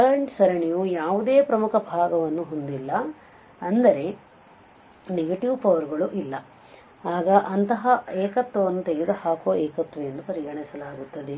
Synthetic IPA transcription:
ɐɾɐɳʈsɐɾɐɳijujaːʋud̪eːpɾɐmukʰɐbʱaːɡɐʋɐnːuɦond̪ilːɐ | ɐnd̪ɐɾe̞ | neɡɐʈiʋpʰɐʋɐɾɡɐɭuʔilːɐ | aːɡɐʔɐnt̪ɐɦɐeːkɐt̪ʋɐʋɐnːut̪e̞ɡed̪ɐhaːkoːʔɛːkɐt̪ʋɐjend̪upɐɾiɡɐɳisɐlaːɡut̪ːɐd̪e̞

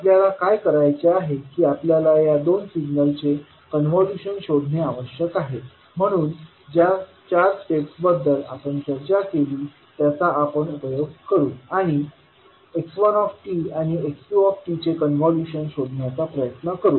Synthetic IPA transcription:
apljalakajkəɾajt͡seaɦekiːapljalajad̪onsiɡnəlt͡se | kənʋɔljuɕənɕoɽʱneaʋəɕjəkaɦe | m̤əɽ̃uːn | d͡ʑja | t͡ɕaɾʈeksbəd̪ːəla̰pəɳsəɾd͡ʑakeliː | t̪jat͡saʔapəɳupəjoɡkəɾuːaɽ̃i | eksʋanɔfʈiaɽ̃ieksuɔfʈit͡sekənʋɔljuɕənɕoɽʱɳjat͡sapɾəjət̪nəkəɾuː

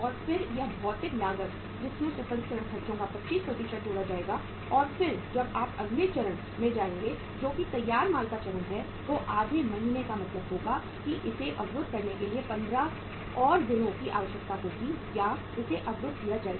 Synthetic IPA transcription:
ɔːɾfɪɾjɐɦbʱɔːt̪ɪklaːɡət̪ | d͡ʒɪsmẽsɪsə̃nkɐɾə̃ɳkʰɐɾt͡ʃõkapɐtːʃiːspɾɐt̪iʃəʈ̚t͡ʃoːɽad͡ʒaːeːɡa | ɔːɾfɪɾd͡ʒɐbaːpɐɡlet͡ʃɐɾəɽ̃ | mẽd͡ʒaːẽŋɡe | d͡ʒoːkit̪ɐjːaːɾmaːlkat͡ʃɐɾənɦɛ | ʋoʔaːd̪ʱemɐɦiːnekamɐt̪ləbɦoːɡa | kiʔɪseʔɐbɾʊd̪̚ʱkɐɾnekeliepɐ̃nd̪ɾa | ɔːɾd̪ɪnõkiʔa̰ːʋəʃək̚t̪akoːt̪ija | ɪseʔɐbɾʊd̪ʱkijad͡ʒaːeːɡ

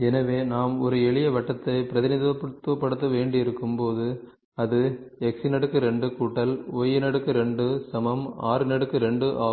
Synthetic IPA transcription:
ɛnɐʋeːnaːmɔɾɯɛɭɪjɐʋɐʈːɐt̪ːɐɪpɪɾɐðɪnɪðʋɐpːɐt̪ːɯʋɐpːɐɽɯt̪̬ːɐʋeːɳɖɪɪɾɯkːɯmpoːðɯ | ɐðɯɛksɪnɐɽɯkːɯɾɛɳɖɯkuːʈːɐloːjɪnɐɽɯkːɯɾɛɳɖɯsɐmɐma̰ːɾɯnɐɽɯkːɯɾɛɳɖɯʔaː

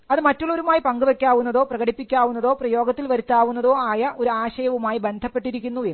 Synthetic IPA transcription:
ɐðɨmɐtːoɭːo̞ɾumaːjipɐŋɡuʋekʲːaːʋunːɐðo̞ːprɐɣɐɽipːikʲːaːʋunːɐðo̞ːprɐjo̞ːɡɐt̪ːilʋɐɾut̪ːaːʋunːɐðo̞ːaːjɐʔo̞ɾuaːɕɐjɐʋumaːjibe̞nd̪ʱɐpːe̞ʈːiɾikʲːunːuʋe

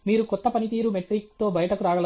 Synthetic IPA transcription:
miːɾukɔt̪ːɐpɐnit̪iːɾumeʈɾiːk̚t̪o̞ːbɐjɐʈɐkuɾaːɡɐl

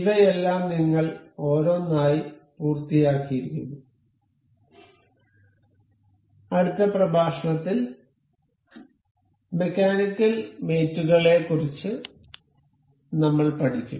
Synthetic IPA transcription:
iðɐjelːaːmniŋːɐɭo̞ːɾo̞ːnaːjipuːrt̪ːijaːkːijiɾikʲːunːu | ɐɽut̪ːɐprɐbʱaːʂɐɳɐt̪ːil | me̞kʲːaːnikːɨlme̞ːtːuɣɐɭe̞kːurit͡ɕːɨ | nɐmːɐɭpɐʈʰikʲːṵm

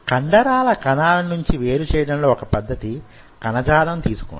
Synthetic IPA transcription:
kɐɳɖɐɾaːlɐkɐnaːlɐnuɲt͡ʃiʋeːɾut͡ʃɛːjɐɽɐnlo̞ːɔkɐpɐd̪ːɐt̪i | kɐnɐd͡ʒaːlɐmt̪iːsu̥kṵɳ

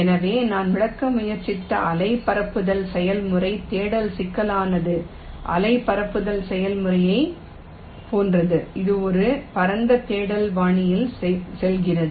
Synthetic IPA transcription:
ɛnɐʋeːnaːnmɪɽɐkːɐmʊjɐɾt͡ʃːɪt̪ːɐ̰ʔɐlɐɪpɐɾɐpːɯðɐlsɛjɐlmɯrɐɪt̪eːɽɐlsɪkːɐlaːnɐðɯ | ʔɐ̰lɐɪpːɐɾɐpːɯðɐlsɛjɐlmɯrɐjɐɪ | poːndrɐðɯɪðɯɔɾɯpɐɾɐnd̪ɐt̪eːɽɐlʋaːɳɪjɪlsɛlɣɪrɐðɯ

